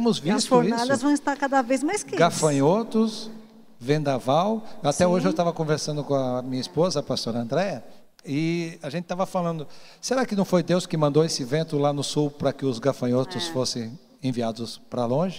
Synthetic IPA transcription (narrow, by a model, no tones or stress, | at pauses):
mʊzvisfoɾinad̪ɐzvɐ̃w̃ist̪aɾkad̪ɐvejzmajskɪɡafɐ̃jot̪ʊs | vẽnd̪avawat̪ɛoʒɪewt̪avɐkõveɾsɐ̃nd̪ʊkõɐmĩɲɐispozɐːpast̪oɾɐɐ̃nd̪ɾɛjɐ | ɪaʒẽnt͡ʃ̪ɪt̪avɐfalɐ̃nd̪ʊseɾakɪnɐ̃w̃fojd̪ewskɪmɐ̃nd̪owesɪvẽnt̪ʊlanʊsuwpɾɐkɪʊzɡafɐ̃jot̪ʊsfosẽj̃ | ẽviad̪ʊspɾɐlõʒɪ